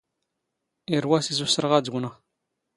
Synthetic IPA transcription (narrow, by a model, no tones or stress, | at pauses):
iɾwæsizusəɾʁad͡zɡʷnə